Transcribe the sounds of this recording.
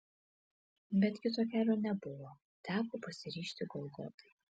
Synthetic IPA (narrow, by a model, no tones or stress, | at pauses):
bʲɛt̪kʲɪt̪oːkʲæːlʲonʲɛbʊʋoː | t̪ʲæːpoːpɐsʲɪɾʲiːʃʲt̪ʲɪɡɔlˠɡo̰t̪ɐ̥ɪ